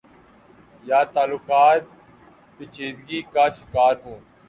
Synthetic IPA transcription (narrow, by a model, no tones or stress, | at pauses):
jaːt̪aːlʊːkaːt̪̚ | pɪt͡ʃʰeːd̪ɡiːkaːʃɪkaːɾɦũː